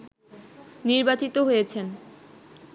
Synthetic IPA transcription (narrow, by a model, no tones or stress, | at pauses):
niɾbat͡ɕit̪oɦojet͡ɕʰen